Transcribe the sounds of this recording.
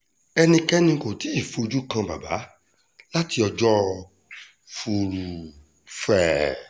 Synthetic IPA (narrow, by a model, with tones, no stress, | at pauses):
ɛ˧nĩ˧kɛ˦nĩ˧ko˨ti˨˦i˦˨fo˨˧d͡ʒu˦kã˧ba̰˨ba̰˨˦ | la˦ti˧ɔ˧d͡ʒɔ˦ | fu˧ɾu˨ | fɛ˦˨